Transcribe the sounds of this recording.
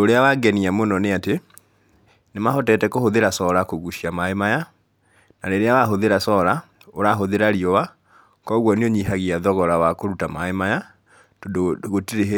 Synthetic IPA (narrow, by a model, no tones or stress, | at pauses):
oɾeawaɡɛniamonɔneate | nemahɔtɛtɛkohoðeɾasɔɾakoɣuʃiamaemaja | na̰ɾeɾeawaɦoðeɾasɔɾa | oɾaɦoðeɾaɾiɔwa | kɔɣwɔnioɲiɦaɣiaðɔɣɔɾawakoɾutamaemaja | todɣotiɾeɦe